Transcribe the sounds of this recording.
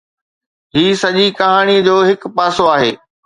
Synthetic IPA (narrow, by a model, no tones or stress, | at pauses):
ɦiːsɐʄikɐɦaːɽ̃iːəd͡ʑoːɦɪkpaːsoaːɦḛː